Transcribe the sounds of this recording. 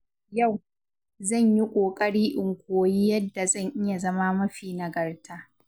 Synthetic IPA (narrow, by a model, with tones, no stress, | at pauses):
ja˦˨w | zɐ˦˨ɲji˦kʷʼoː˨kʼɐ˦ɽiː˦ʔɪ˨ŋkʷoː˨jiː˦jɐ˦dːa˨zɐ˦˨ɲʔɪ˦ja˨zɐ˦ma˦mɐ˦ɸiː˨nɐ˨ɡɐ˨rtaː˦